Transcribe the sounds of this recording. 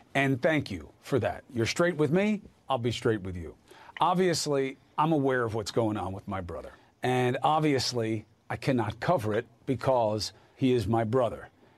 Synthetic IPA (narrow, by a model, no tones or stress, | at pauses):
ɨ̃nθæ̃ŋkʰjʉ̰fə˞ðæ̰t̚jə˞stɹ̥eɪt̚wɨðmi | aɪlˠbistɹ̥eɪt̚wɨðjʉ̰ʔɑbviɨsli | ãɪ̃məwɛɹʌvwʌtsɡ̥oʊɪ̃ŋə̰̃nwəðmaɪbɹʌ̰ðə̰˞ | ɨ̃nɑbviɨsli | aɪkʰænɑt̚kʰʌvə˞ɪt̚b̥ɨkʰɔz̥ | hiɪzmaɪbɹʌðə̰˞